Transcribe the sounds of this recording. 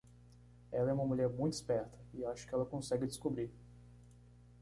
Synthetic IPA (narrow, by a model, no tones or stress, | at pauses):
ɛlɐɛũmɐmulʎɛɾmũj̃t̪ʊispɛɾt̪ʰɐɪaʃʊ̥kɪɛlɐkõsɛɡɪd̪ɪskobɾiɾ